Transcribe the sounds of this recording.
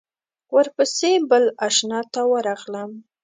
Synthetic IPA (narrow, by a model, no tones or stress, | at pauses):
wəɾpəsebəlaʃnɑt̪awəɾɑɣləm